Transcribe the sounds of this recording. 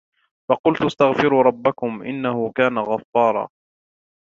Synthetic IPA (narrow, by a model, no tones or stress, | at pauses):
fɑqʊlt̪ʔast̪aɣfɪɾuːɾˤɑbːakʊmʔɪ̰nːahʊkaːnaɣɑfːɑːɾˤɑ̰ː